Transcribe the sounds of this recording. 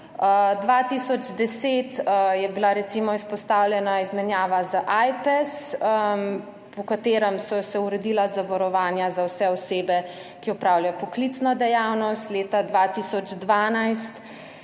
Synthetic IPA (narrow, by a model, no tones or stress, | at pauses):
əd̪ʋat̪isɔd͡ʒd̪ɛseːt̪əjɛbilaɾɛt̪simɔispɔst̪awlʲjɛnaizmɛnjaːʋazaʔajpɛsə | pɔkat̪eːɾəmsɔsɛuɾɛd̪ilazaʋɔɾɔʋaːnjazawsɛɔseːbɛ | kiɔpɾawljajɔpɔklit̪snɔd̪ɛjawnɔst̪leːt̪ad̪ʋat̪isɔd͡ʒd̪ʋaːnajst̪